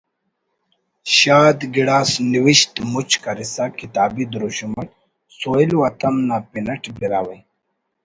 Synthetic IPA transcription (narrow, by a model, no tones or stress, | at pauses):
ɕaːd̪ɡiɽaːsniwiɕt̪mut͡ɕkɐɾisakit̪aːbid̪ɾuɕumɐʈ | soːiluwɐt̪ɐmnapinɐʈbiɾaːwɐj